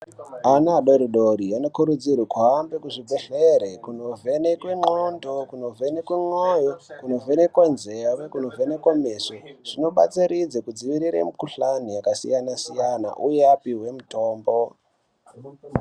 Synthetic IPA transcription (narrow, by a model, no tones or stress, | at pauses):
anaɗo̞ɾiɗoɾiano̞kuɾud͡zirwikuɦambekuʐibʱoɬeɾekuno̞vʱe̞nekweŋ͡ǃondokuno̞vʱenekweŋojokuno̞venekwanzeawekuno̞vʱenekwamesoʐ̥ino̞ɓat͡siɾid͡zekud͡ziʋiɾiɾḛmukuɬanijakasijanasijana̰ʔujeapiɦwe̞muto̞ːmbo̞